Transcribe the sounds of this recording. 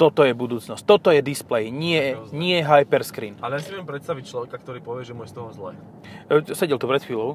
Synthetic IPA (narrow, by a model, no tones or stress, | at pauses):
t̪ɔt̪ɔjɛbud̪uːt͡snɔsc̚t̪ɔt̪ɔjɛd̪isplɛjɲɪɛɲɪɛɛɦajpɛɾskɾḭːnalɛjasimjɛmpɾɛt̪st̪aʋic̚t͡ʃlɔʋɛkakt̪ɔɾiːpɔʋɪɛʒɛmujɛst̪ɔɦɔmzlɛ̰ː | sɛɟɛlt̪upɾɛt̪fiːlɔʊ